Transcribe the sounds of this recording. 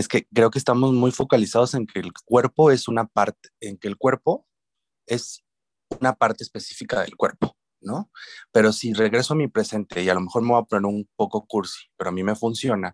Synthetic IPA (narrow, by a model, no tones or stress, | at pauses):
eske̞kɾe̞o̞kest̪amo̞zmujfo̞kalisaðo̞se̞ŋkʰe̞lkwe̞ɾpo̞e̞sunapaɾt̪e̥eŋke̞ːlkwe̞ɾpo̞ | e̞s | unapaɾt̪eːspe̞si̥fikaðe̞̰lkwe̞ɾpo̥ | no̞pe̞ɾo̞sire̞ɣɾe̞soamipɾe̞se̞nt̪e̞ialo̞me̞xo̞ɾme̞βapo̞ne̞ɾunpo̞ko̞kuɾsi̥pe̞ɾo̞amime̞funsjo̞na